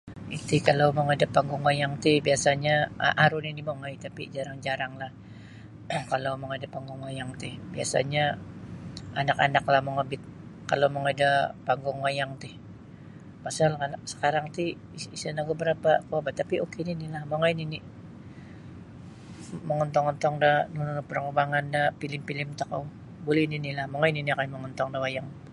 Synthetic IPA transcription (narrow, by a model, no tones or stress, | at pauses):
it̪ɪkalawməŋadapaŋɡʊŋwajaŋt̪ɪhbiasaɲa̰ʔaɾʊninimoŋajt̪apid͡ʒaɾaŋd͡ʒaɾaŋlah | kalawməŋadapaŋɡʊŋwajaŋt̪ɪhbia̰sa̰ɲa | anakanak̚lahməŋabɪt̪̚kalawməŋadapaŋɡʊŋwajaŋt̪ɪh | pasalkanasə̥kaɾaŋt̪i | isanaɡubəɾapakəabat̪ːapiokeninilahmoŋajnini | məŋɔnt̪ɔŋɔnt̪ɔŋdahnunnpərŋəbaŋandapilɪmpilɪmt̪ako̰w | bolɛhninilahmoŋajniniakanməŋɔnt̪ɔŋdawajaŋ